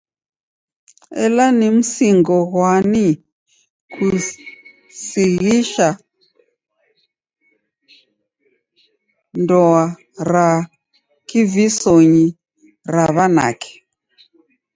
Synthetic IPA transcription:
ɛ̰lanimusiŋɡɔɣwani | kʰu | siɣiʃa | ndɔa | ɾa | kivisoɲi | raβana̰kʰɛ̥

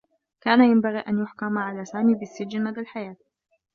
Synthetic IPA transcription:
kaːnajambaɣiːʔanjʊħkamʕalaːsaːmiːbɪsːɪd͡ʒɪnad̪alħajaːt̪

